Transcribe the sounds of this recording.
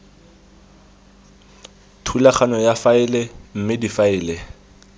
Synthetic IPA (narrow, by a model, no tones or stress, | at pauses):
tʰulaχanɔjafaɪlɛm̩mɪdifaɪːlɛ